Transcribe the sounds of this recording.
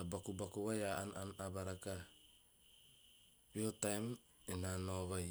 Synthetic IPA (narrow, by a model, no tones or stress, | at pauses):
abakubakuβajaananabaɾaka | wiotajm | inanoɣoj